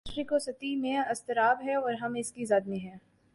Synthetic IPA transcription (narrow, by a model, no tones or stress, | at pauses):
ʃɾikosɐt̪imẽɐst̪ɪɾaːbɦɛɔːɾɦɐmɪskizaːd̪miɦɛː